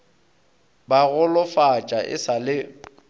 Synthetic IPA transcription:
baɣʊlʊfat͡ʃʼaʔɪ̰salɪ

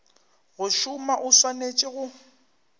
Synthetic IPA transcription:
ɣʊʃʊmaʔʊswanet͡ʃʼɪɣʊ

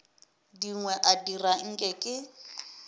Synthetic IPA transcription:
diŋwɛʔadiraŋ̩kʼɛkʼɪ

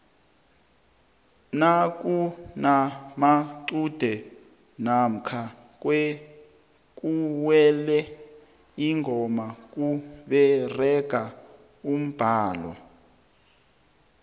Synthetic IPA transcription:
nak̬ʼunamaǀud̥ʱɛ | nam̩kʰa | k̬ʼwɛ | k̬ʼuwɛlɛ | iŋʱɔmak̬ʼuɓɛrɛɡ̥ʱa | um̩b̥ʱaːlɔ̰

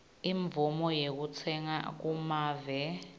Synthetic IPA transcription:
iɱb̪vumɔjek̬ut͡sʰɛŋa̰k̬umaːvɛ

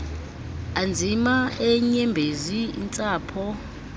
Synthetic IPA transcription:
and͡zʱimaɛɲɛmbʱezḭːnt͡sʼaːpʰɔ

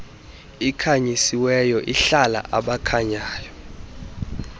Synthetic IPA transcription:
ikʰaɲisiwɛjɔʔiɬala̰ʔaɓakʰaɲaːjɔ

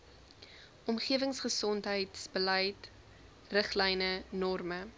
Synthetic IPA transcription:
ʔɔmχiəvəŋsχəsɔntɦəjtsbəlɛjt | rəχlɛjnənɔrmə

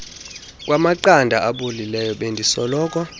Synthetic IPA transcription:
kʼwamaǃandʱaʔaɓolilɛjɔɓendʱisɔlɔːkʼwa

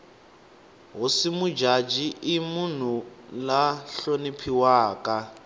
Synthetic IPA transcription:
ɦusimud͡ʒad͡ʒiʔimun̤ulaɬonipʰiwaːkʼa

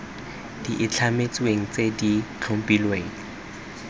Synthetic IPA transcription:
d̥iʔɪt͡ɬʰamet͡sweŋ̩t͡sedikʰaŋ̩pilweŋ̩

